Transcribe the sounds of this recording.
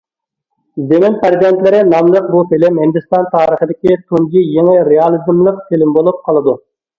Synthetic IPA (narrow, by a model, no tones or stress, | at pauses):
zemɪnpʰæzid̪ɛnt̪lɪɾɪnɑmlˠəq̚but̪elɪmhɪnd̪ɨst̪ɑnt̪ʰɑːɾəχəd̪ɪkʲit̪ʰuŋɡʲijeŋɪɾeɑlˠizɨmlˠəqt̪ɪlɪmbolˠup̚qʰɑlˠɨd̪u